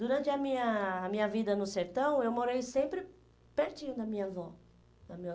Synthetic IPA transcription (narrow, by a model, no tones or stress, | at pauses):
d̪uɾɐ̃nt͡ʃ̪ɪɐmĩɲɐːmĩɲɐvid̪ɐnʊseɾt̪ɐ̃w̃ewmoɾejsẽmpɾɪ | peɾt͡ʃĩɲʊd̪ɐmĩɲɐvɔ | nɐmĩɲɐ